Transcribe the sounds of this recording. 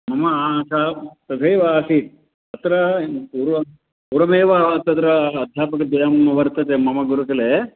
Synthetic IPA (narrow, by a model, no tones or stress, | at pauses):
mɐmɐasat̪ɐd̪ʱeːʋɐaːsit̪̚ | ɐt̪ɾɐuɾʋɐ | uɾɐmeːʋɐt̪ɐt̪ɾɐːd̪ʱjaːpɐkɐd̪ɐjɐmɐʋɐɾt̪ɐt̪emɐmɐɡuɾukɐle